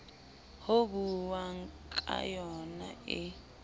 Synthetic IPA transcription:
hobuwaŋkʼa̰jɔna̰ɪ

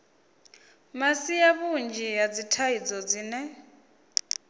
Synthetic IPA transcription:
masijaβund͡ʒijad͡zitʰaid͡zɔd͡ziːnɛ

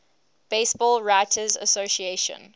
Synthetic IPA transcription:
b̥eɪsb̥ɔːlˠɹaɪtʰəzəsoʃieʃə̰̃n

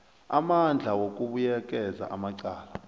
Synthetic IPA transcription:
amand͡ɮʱawok̬ʼuɓujɛk̬ʼɛza̰ʔamaǀaːla

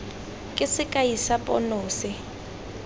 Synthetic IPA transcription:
kʼɪsɪkʼaisapʼɔnoːsɪ

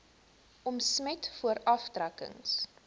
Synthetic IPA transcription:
ʔɔmsmɛtfuəɾɐfdrɐkə̰ŋs

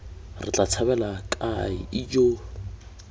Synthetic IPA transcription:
rɪt͡ɬʼat͡sʰabɛlakʼaɪ̰ɪd͡ʒo

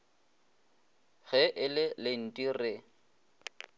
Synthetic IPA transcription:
ɣɛʔɪlɪlɪn̩tʼirɪ

